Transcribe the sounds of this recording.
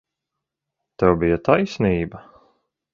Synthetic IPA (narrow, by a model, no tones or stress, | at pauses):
t̪ɛwbijɐt̪ajsʲniːbɐ